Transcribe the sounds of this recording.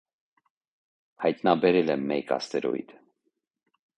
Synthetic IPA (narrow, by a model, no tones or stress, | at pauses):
hɑjt̪nɑbɛɾɛlɛmːɛkɑ̰st̪ɛɾɔ̰ḭt̪ʰ